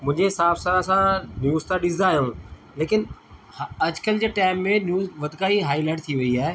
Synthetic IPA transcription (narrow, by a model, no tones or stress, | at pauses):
mʊ̃ɪ̃ɲd͡ʑesaːfsaːɾasãnjuːzt̪ʰãɗɪsd̪aːɦijũː | leːkɪn | ɐd͡ʑkəld͡ʑeːʈaːɪmːẽnjuːzʋɐd̪ʱɪkaːiɦaːilaːɪʈ̚t̪ʰiʋɐiaːɦe